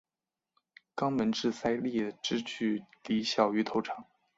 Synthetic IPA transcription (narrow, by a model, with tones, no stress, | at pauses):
kɑ˥ŋmə˧˥nʈ͡ʂɻ̩˥˩sa˥ɪli˥˩ʈ͡ʂɻ̩˥t͡ɕʰy˥˩li˧˥ɕjɑ˨˩ʊy˧˥t̪ʰo˧˥ʊʈ͡ʂʰɑ˧˩˥ŋ